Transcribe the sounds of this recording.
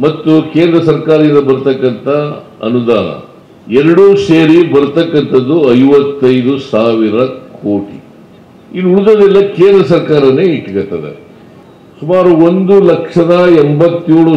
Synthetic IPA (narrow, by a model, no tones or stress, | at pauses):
mɐt̪ːuke̞ːnd̪ɾɐsɐɾkaːɾɐind̪ɐbɐɾut̪ɐkːɐnt̪ʰɐɐ̰nud̪aːnɐ̰ | ɛɾɐɽuseːɾibɐɾut̪ɐkːɐnt̪ɐd̪ːuɐjʋɐt̪ːɐjd̪usaːʋiɾɐkʰoːʈḭ | inuɽud̪ɐd̪ɛlːɐkeːnd̪ɾɐsɐɾkaːɾɐneːiʈːɐɡɐt̪ːɐd̪ḛ | sumaːɾuond̪ulɐkʂɐd̪ɐɛmbɐt̪ːjuːɭu